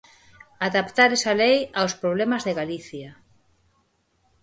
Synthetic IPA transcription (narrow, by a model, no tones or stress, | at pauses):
aðapt̪aɾesalejawspɾoβ̞lemazðeɣaliθja